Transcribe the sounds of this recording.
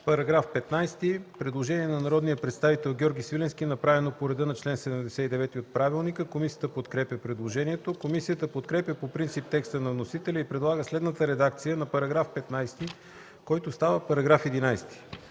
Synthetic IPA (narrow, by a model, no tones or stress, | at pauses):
pɐɾɐɡɾafpɛt̪najst̪ipɾɛd̪lˠoʒɛniɛnɐnɐɾɔd̪nijəpɾɛt̪st̪avit̪ɛlˠɡʲɔɾɡʲisvilɛnskʲiɛnɐpɾavɛnopoɾɛd̪ɤnɐt͡ʃlɛnsɛd̪ɛmd̪ɛsɛt̪id̪ɛvɛt̪iot̪̚pɾavilˠnikəkomisijət̪əpot̪kɾɛpjəpɾɛd̪lˠoʒɛniɛt̪okomisijət̪əpot̪kɾɛpʲjəpopɾint̪sip̚t̪ɛkst̪ənɐvnosit̪ɛlʲəipɾɛd̪lˠaɡəslɛd̪nət̪əɾɛd̪ak̚t̪sijənɐpɐɾɐɡɾafpɛt̪najst̪i | kɔjt̪ost̪avəpɐɾɐɡɾafɛd̪inajst̪i̥